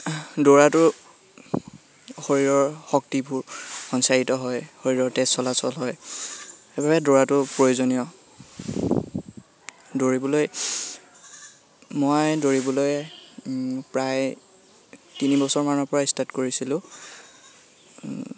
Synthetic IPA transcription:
doɹatʊ | xoɹiɹɔɹxɔk̚tibʊɹxɔnsaɹitɔɦɔjxoɹiɹɔɹtessɔlasɔlɦɔj | xebabɛdoɹatʊpɹojozonijɔ | doɹibɔloj | mojdoɹibɔlojɛ | pɹaj | tinibɔsɔɹmanɔɹpɔɹaistatkoɹisilʊ̃

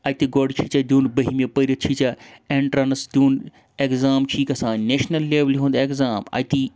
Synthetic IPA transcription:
ɐjt̪iɡoɖt͡ʃʰit͡ʃɐd̪ʲuːnbɐɦimʲepəɾʲɐt͡ʃʰit͡ʃɐeːɳʈɾɐnɐsd̪ʲuːn | ekzaːmt͡ʃʰiːkɐsãːneːʃnɐlːeːʋlɦũnd̪ekzaːmɐ̰t̪i

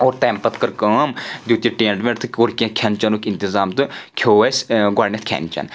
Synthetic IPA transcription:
oːɾt̪eːmpət̪kɐɾkaːmd̪ʲjuːt̪iʈeːnɖmeʈt̪ʰɨkʲoːɾkijãkʲʰɐnt͡ʃɐnukʲɪnt̪ɪzaːmt̪ɨkʰoːesɡaːɽnʲet̪̚ʰkʰʲɛ̰nt͡ʃɐ̰n

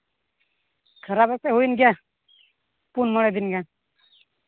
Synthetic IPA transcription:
kʰəɾabepeɦuinɡa | punmɔɽ̃ed̪inɡja

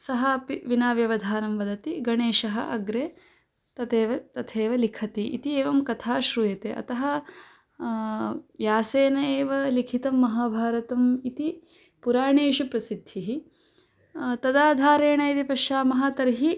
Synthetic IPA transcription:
sɐɦapiʋinaːʋjɐʋɐd̪ʱaːnɐmʋɐd̪ɐt̪iɡɐɳeːʃɐɦɐ̰ʔɐ̰ɡɾeː | t̪ɐt̪eːʋɐt̪ɐt̪ʰeːʋɐlikʰɐt̪iʔḭt̪ieːʋɐmkɐt̪ʰaːʃɾujɐt̪eːʔɐ̰t̪ɐɦɐ | jaːseːnɐeːʋɐlikʰit̪ɐmːɐɦaːbʱaːɾɐt̪ɐmit̪i | puɾaːɳeːʃɐpɾɐsid̪ʱːiɦi | t̪ɐd̪aːd̪ʱaːɾeːɳɐit̪ipɐʃaːmɐɦaːt̪ɐɾɦi

